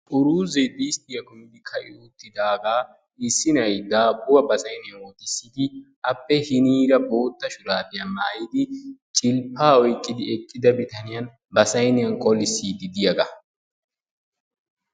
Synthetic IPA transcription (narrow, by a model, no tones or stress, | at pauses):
ʔʊɾuːzɛd̪iːst̪ɪjɐɡʊmɪd̪ɪkʰɐʔɪ̰uːt̪ːɪd̪aːɡaː | ɪsːɪnɐjd̪aːbʊwɐbɐsɐjnɪjɐnwɔt̪ɪsːɪd̪ɪʔɐpːɛhɪniːɾɐbo̞ːt̪ːɐʃʊlaːbɪjɐmaːjɪd̪ɪt͡ʃʼɪlpːaːɔjkʼːɪd̪ɪɛkʼːɪd̪ɐbɪt̪ɐnɪjɐn | bɐsɐjnɪjɐnkʼɔlɪsːiːd̪ɪd̪ɪjɐɡɐ